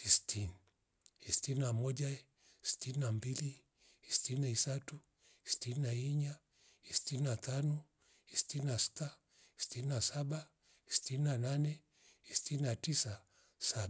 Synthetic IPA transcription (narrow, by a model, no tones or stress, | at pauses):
istʰini | istininamɔʄa | si̥tininambili | istininaisatu | isi̥tininaiɲa | istininatanɔ | istininasi̥ta | isi̥tininasaɓa | isi̥tininananɛ | isi̥tininatisa | saɓa